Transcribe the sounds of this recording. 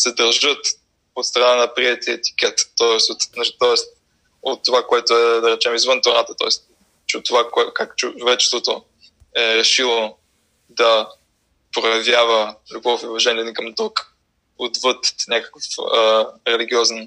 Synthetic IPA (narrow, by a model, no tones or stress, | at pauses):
sɛd̪ɐɾʒɤt̪ | ot̪st̪ɾɐnanɐpɾiɛt̪iɛt̪i̥k̟ɛt̪ːɔɛst̪ot̪nat͡ʃi̥t̪ɔɛst̪̚ | ot̪ːovakoɛt̪ʊɛd̪ɐɾɛt͡ʃɛmizvɤnt̪oɾat̪ət̪ɔ̰ɛst̪ | t͡ʃɛt̪ːovakɛkakt͡ʃʊt͡ʃʊvɛt͡ʃɛ̥st̪vot̪o | ɛɾɛʃilˠo | d̪ɐ | pɾojɐvjavəlʲʊbɔfuvɐʒɛniɛnikɐmd̪ɾuk | od̪vət̪nʲakə̥kəfəɾɛliɡiɔzɛn